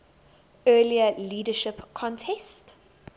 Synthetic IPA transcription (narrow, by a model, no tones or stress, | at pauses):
ɜːliəliːdəʃɪpkʰɔ̃ntʰɛst